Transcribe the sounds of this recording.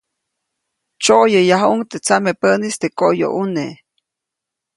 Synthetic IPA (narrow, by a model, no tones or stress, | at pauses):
t͡ʃoʔjəjaɦuŋt̪et͡samepənist̪ekoʔjo̰ʔune